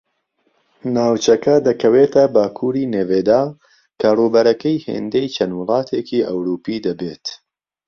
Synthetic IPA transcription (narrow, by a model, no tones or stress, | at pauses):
naːwt͡ʃɐkɐd̪ɐkʰɐweːt̪ʰɐbaːkʰuːɾiːneːveːd̪aː | kʰaːruːbɐɾɐkɐjhḛːnd̪ejt͡ʃʰɐnwɨlˠɑːt̪ʰeːkiːʔɐ̰wɾuːpiːd̪ɐbeːt̪